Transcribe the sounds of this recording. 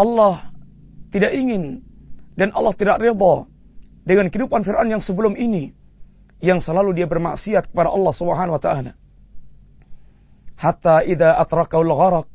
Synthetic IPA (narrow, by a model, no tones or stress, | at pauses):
ʔɑlːɑh | t̪idaʔiŋɪndanʔɑlːɑht̪idakred̪ɔ | dəŋankɦəidupanfɪrʔanjaŋsəbəlʊmʔini | jaŋsəlaludiabərma̰ʔsiat̪̚kə̥padaʔɑlːɑhsubəɦanawat̪aʔala̰ | hat̪aʔiðaʔat̪ɾɑkahulɣɑɾɑq̚